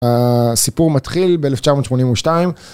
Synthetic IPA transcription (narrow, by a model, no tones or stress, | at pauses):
asipuʁmat̪χilbeeleft͡ʃamo̞ːt̪ʃmo̞nimuʃtaim